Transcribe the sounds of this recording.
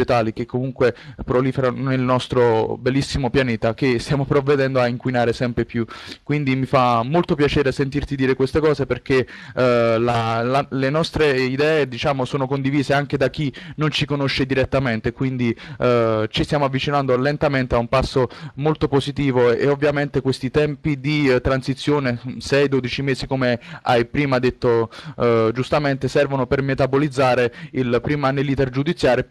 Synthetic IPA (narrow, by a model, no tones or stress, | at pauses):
et̪aːlikekʰːomuŋkwepɾoliːfeɾanonelnɔst̪ɾobelːisːimopjaneːt̪akest̪jaːmopɾovːed̪ɛnd̪oaiŋkwinaːɾesɛmpɾepjukwind̪imifamːolt̪opjat͡ʃɛːɾesent̪irt̪id̪iːɾekwest̪ekɔːzeperk̟e | lalalenɔst̪ɾeid̪ɛːed̪it͡ʃaːmosoːnokond̪iviːzeaŋk̟ed̪ak̟ːinont͡ʃikonoʃːed̪iɾet̪ːament̪ekwind̪i | t͡ʃist̪jaːmoavːit͡ʃinand̪olent̪ament̪eaumpasːomolt̪opozit̪iːvoḛovːjament̪ekwest̪it̪ɛmpid̪it̪ɾansit̪sːjoːnesɛjd̪oːd̪it͡ʃimeːzikomeajpɾiːmad̪et̪ːo | d͡ʒust̪ament̪esɛrvonopermet̪abolid̪zːaːɾeilpɾiːmanelːiːt̪erd͡ʒud̪it̪sːjaːɾj